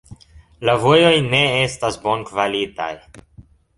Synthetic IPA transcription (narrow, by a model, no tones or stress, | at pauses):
lavojo̞jne̞estasbonkvalit̪a̰j